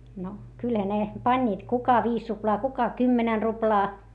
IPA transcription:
no kylhæ ne pɑnʲːiːt kukɑ ʋiːs ruplɑː kukɑ kymːenɛn ruplɑː

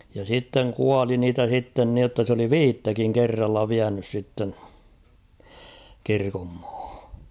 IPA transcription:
jɑ sitːeŋ kuɑli niːtæ sitːen niotːɑ s oli ʋiːtːækiŋ kerːɑlːɑ ʋiænys sitːen̞ kirkomːɑ̥ːhɑ̥

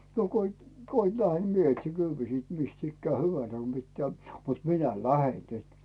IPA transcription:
no ko it ko it læhe ni mie etsi kyːʋiː siːt mist ikːæː hyʋæn̞sæ ko pitːæː mut minæ læhen nyt

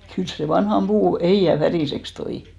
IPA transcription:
kyls se ʋɑnhɑm b̥uː ehiˑæ færiˑseks toi

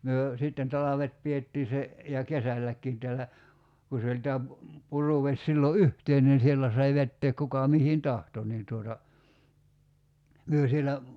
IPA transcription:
myø sitːen tɑlɑʋet pietːiː se jɑ kesælːækːiːn tælːæ ku se olʲ tæː pu puruʋesʲ silːo yhteinen sielːæ sɑi ʋetːeːk kukɑ mihin tɑhto niː tuotɑ myø sielæ

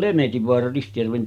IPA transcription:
lemetiʋːoɑrɑ ristijærʋen

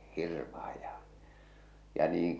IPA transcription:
hirʋɑh̞ɑj jɑ jɑ niːŋ

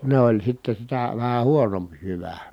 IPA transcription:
ne olʲ sitːe sitæ ʋæhæ huonomp jyʋæ

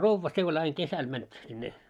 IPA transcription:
roʋːɑ se ol ɑiŋ kesæl mænt sinːe

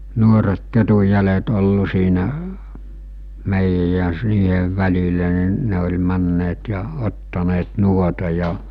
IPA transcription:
nuoret ketujˑælet olːu siːnæ meˑijæj jɑ s niːheʋ ʋælʲilæ ni ne olʲ mænːeːt jɑ otːɑneːt nuotɑ jɑ

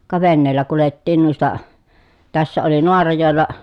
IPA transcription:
kɑ ʋenːeːlːæ kuletːiːn nuistɑ tæsːæ oli noɑrɑjoˑelːɑ

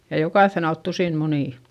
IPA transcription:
jɑ jokɑˑθːen ɑlt tusiˑn muniˑ

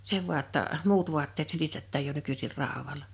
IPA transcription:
se ʋu̞ɑ tːɑ muːt ʋuɑtːeːt silitetːæːj jo nykysir rɑˑowɑlɑ

